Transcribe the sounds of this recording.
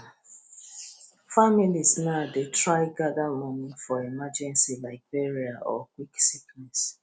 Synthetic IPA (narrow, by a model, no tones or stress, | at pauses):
familiznadetʰɹaɪɡadamɔnifɔemad͡ʒɛ̃nsilaɪk̚bɛɹiaʔɔ̰kwiksiknɛs